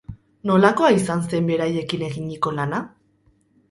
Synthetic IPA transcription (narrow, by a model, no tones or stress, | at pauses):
no̞lako̞aisanse̞mbe̞ɾaje̞kine̞ɣiɲiko̞lana